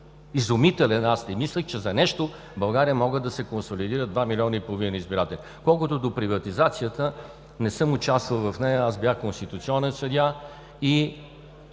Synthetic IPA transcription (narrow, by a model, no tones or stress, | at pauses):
izʊmit̪ɛlɛnast̪ɛmislʲəxt͡ʃɛzɐnɛʃt̪o | bɐlˠɡaɾijəmɔɡəd̪ɐsɛkonsolid̪iɾəd̪vamilʲiɔnəipolˠovinəizbiɾat̪ɛlʲi | kɔlˠkʊt̪ʊd̪opɾivɐt̪izat̪sijət̪ə | nɛsɤmʊt͡ʃast̪vəlˠvɐfnɛjəasbjaxkonst̪it̪ʊt̪siɔnɛnsɐd̪ʲa | i